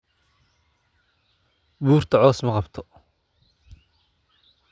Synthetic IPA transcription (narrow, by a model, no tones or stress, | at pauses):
buːrt̪ʰɐʕɔːsmɐqɑbt̪ʰɔ